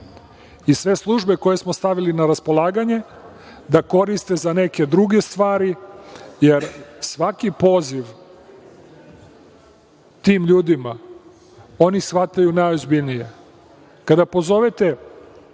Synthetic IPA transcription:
isʋe̞slˠuʒbe̞kojesmo̞st̪aʋilinaɾaspo̞lˠaːɡaɲe̞ | d̪ako̞ɾist̪e̞zane̞ke̞d̪ɾuɡe̞st̪ʋaːɾijeɾsʋakipo̞ːziʋ | t̪iːmʎuːd̪ima | o̞nisʋat̪ajunajozbiʎnije̞ | kad̪apo̞zo̞ʋet̪e̞

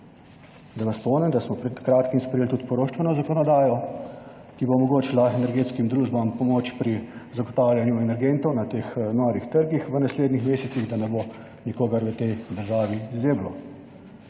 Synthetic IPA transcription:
d̪aʋaspɔnɛmd̪asmɔpɾɛt̪kɾaːt̪kimspɾɛjeːlt̪ut̪pɔɾoːʃt͡ʃʋɛnɔzakɔnɔd̪aːjɔ | kibomɔɡoːt͡ʃɛlaɛnɛɾɡeːt̪skimd̪ɾuːʒbampɔmot͡ʃpɾizaɡɔt̪aːwlʲjanjuɛnɛɾɡent̪ɔwnat̪eːxnɔːɾixt̪əɾɡixʋənasleːd̪nixmeːsɛsiɣd̪anɛbo | nikoːɡɐɾʋət̪ɛjd̪əɾʒaːʋizeːblɔ

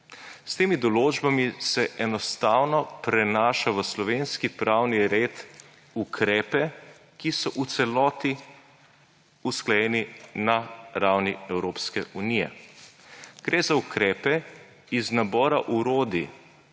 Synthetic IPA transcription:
st̪eːmid̪ɔloːd͡ʒbamisɛʔɛnɔst̪awnɔpɾɛnaːʃaʋəslɔʋenskipɾawniɾeːt̪ | ukʰɾɛːpɛ | kisɔʔut̪sɛlɔːt̪i | usklajɛninaɾawniɛwɾoːpskɛʔunijɛ̰ | ɡ̥ɾeːzaukɾɛːpɛ | iznabɔːɾaʔuɾoːd̪i

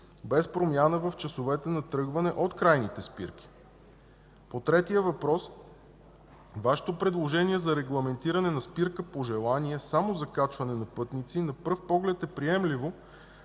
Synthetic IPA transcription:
bɛspɾomʲjanəvəft͡ʃɐsovɛt̪ɛnɐt̪ɾɤɡvɐnɛʔot̪kɾajnit̪ɛspḭɾk̟i̥ | pot̪ɾɛt̪iəvɐpɾɔs | vaʃɛ̥t̪opɾɛd̪lˠoʒɛniɛzɐɾɛɡlˠɐmɛnt̪iɾɐnɛnɐspiɾkəpoʒɛlˠaniɛsamozɐkat͡ʃvɐnɛnɐpɤt̪nit̪sinɐpɤɾfpɔɡlɛt̪ɛpɾiɛmlivo

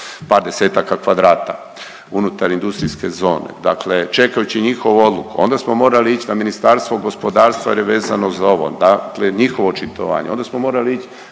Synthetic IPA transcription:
paːɾd̪e̞se̞ːt̪akakʋad̪ɾaːt̪a | unut̪aɾind̪ust̪ɾiske̞zo̞ːnḛd̪aklet͡ʃe̞kajut͡ɕiɲixo̞ʋoo̞d̪lukuo̞nd̪asmo̞mo̞ːɾaliit͡ɕnaminist̪aːɾst̪ʋoɡo̞spo̞d̪aːɾst̪ʋajeɾjeʋeːzanozaoʋo̞̰d̪akleɲixo̞ʋot͡ʃit̪o̰ʋa̰ːɲeo̞nd̪asmo̞mo̞ːɾaliit͡ɕ

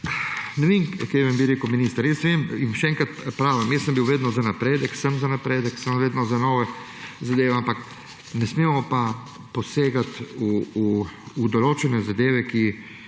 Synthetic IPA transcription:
nɛʋeːmkɛjʋɐmbiɾeːkəwminiːst̪aɾjɛsnɛʋemimʃɛɛŋkat̪pɾaːʋəmjɛsəmbiwʋeːd̪nɔzanapɾeːd̪əksəmzanapɾeːd̪əksəmʋeːd̪nɔzanoːʋɛ | zad̪eːʋɛampak | nɛsmeːmɔpa | pɔseːɡat̪uuːd̪ɔloːt͡ʃɛnɛzad̪eːʋɛki

